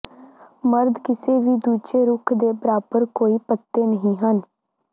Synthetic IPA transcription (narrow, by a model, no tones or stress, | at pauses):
məɾd̪kɪseːʋiːd̪uːd͡ʒeːɾʊkʰd̪eːbəɾaːpəɾkoːiːpət̪ːeːnəɦĩːɦən